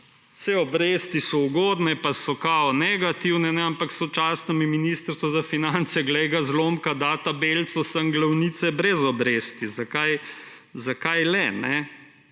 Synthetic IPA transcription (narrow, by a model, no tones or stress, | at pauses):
sɛɔbɾeːst̪isɔuɡoːd̪nɛpasɔkaɔnɛɡat̪iwnɛnɛampaksɔt͡ʃaːsnɔmiminist̪ɾst̪ʋɔzafinant̪sɛɡlɛjɡazlomkad̪aːt̪abelt̪sɔsɐŋɡlawniːt̪sɛbɾɛzɔbɾeːst̪izakaj | zakajlɛnɛ